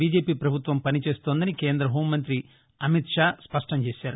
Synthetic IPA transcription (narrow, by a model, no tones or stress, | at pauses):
biːd͡ʒe̞ːpiːpɾɐbʱut̪ʋɐmpɐnit͡ʃe̞ːst̪oːnd̪ɐnikeːnd̪ɾɐɦoːmːɐnt̪ɾi | ɐmit̪ʂaːspɐʂʈɐmt͡ʃe̞ːʃaːɾu